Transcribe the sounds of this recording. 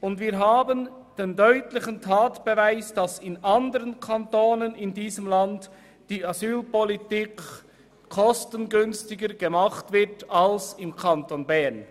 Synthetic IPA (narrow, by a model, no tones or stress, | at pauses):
ʊndviːɾɦaːbən | d̥eːndœʏtlɪçəntʰaːtb̥əvaɪsd̥ɑsɪnʔɑndəʁənkʰantoːnənɪndiːzəmlant | d̥iːazyːlpɔlitiːk | kʰːɔstənɡʏnstɪɡəɾɡ̥əmaχtv̥ɪɐtalsɪmkʰantonbɛn